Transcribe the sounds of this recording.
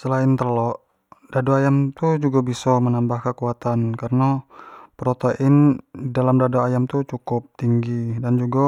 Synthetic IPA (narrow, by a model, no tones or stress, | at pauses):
səlaɪnt̪ərlɔʔ | d̥adoajamt̪ud͡ʒuɡabisɔmənambahkəkuat̪ankarənapəɾot̪oʔɪndidalamdadoajamt̪ut͡ʃukʊp̚t̪iŋɡidand͡ʒuɡa